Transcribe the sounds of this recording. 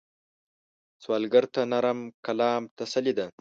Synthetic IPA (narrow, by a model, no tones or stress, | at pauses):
swɑːlɡaɾt̪anaɾamkalɑːmt̪ɐsɐlid̪a